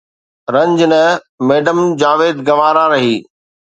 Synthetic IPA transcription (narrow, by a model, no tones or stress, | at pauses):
ɾɐ̃ɲd͡ʑnɐ | meːɖəmd͡ʑaːʋeːd̪ɡɐʋaːɾaɾɐɦiː